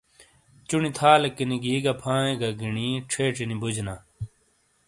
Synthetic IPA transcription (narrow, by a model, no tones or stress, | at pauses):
t͡ɕunit̪ʰaːlekːiniɡiːɡapʰãːẽɡaɡiɳiːʈ͡ʂʰeːʈ͡ʂinibʱud͡ʑʱnaː